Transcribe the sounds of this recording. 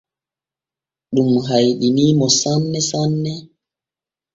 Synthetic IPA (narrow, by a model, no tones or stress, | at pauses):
ɗumɦajɗinimɔsanːɛsanːɛ